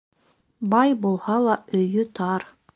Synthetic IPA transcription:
bɑjbulˠhɑlˠɑɵ̆jɵt̪ʰɑɾ

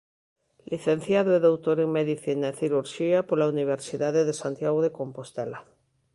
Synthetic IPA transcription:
liθẽn̟θjaðoeðowt̪oɾeŋmeðiθinaeθiɾuɾʃiapolauniβ̞eɾsiðaðeðesant̪jaɣoðeko̞mpost̪ela

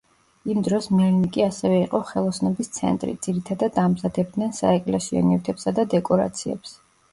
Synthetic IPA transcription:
imd̪ɾɔsmɛɾnikʼiasɛvɛiqʼɔχɛlˠɔsnɔbist̪sʰɛ̰nt̪ʼɾḭd̪z̥iɾit̪ʰad̪ad̪amzad̪ɛb̚d̪nɛnsa̰ɛkʼlɛsiɔ̰niut̪ʰɛpsad̪ad̪ɛkʼɔɾa̰t̪sʰiɛ̰ps

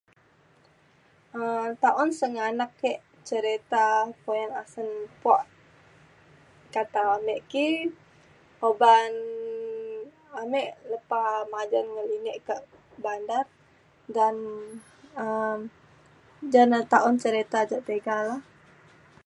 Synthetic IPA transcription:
ʔət̪aʔɔnsəŋanakːɛʔ | t͡ʃəɾet̪apojanasənpɔʔ | kat̪aamɛʔki | oban | amɛʔləpamad͡ʒanŋəlinɛʔkəʔ | bandar | dan | əm | d͡ʒanət̪aɔnt͡ʃəɾet̪ad͡ʒaʔt̪eɡalah

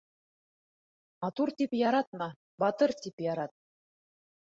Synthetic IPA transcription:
mɑt̪uɾt̪ipjɑɾɑt̪̚mɑ | bɑt̪ɤɾt̪ipjɑɾɑt̪̚

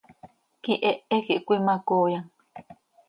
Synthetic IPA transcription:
kiʔeʔekiʔkʷimakojaŋ

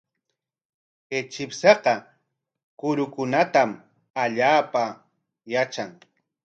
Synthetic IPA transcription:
ket͡ʃɪpsɑqɑ | kʊɾʊkʊnat̪am | aʎaːpa | jat͡ʃaŋ

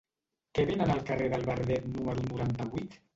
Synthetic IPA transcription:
keβenənəlˠkəreðəlˠβəɾðɛt̪numəɾunuɾant̪əβujt̪

